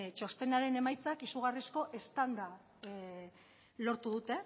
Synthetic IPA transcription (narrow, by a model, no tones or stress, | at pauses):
t͡ʃo̞st̪e̞naɾe̞ne̞majt͡sakisuɣ̞arisko̞ʔe̞st̪and̪a | lo̞ɾt̪uðut̪e̞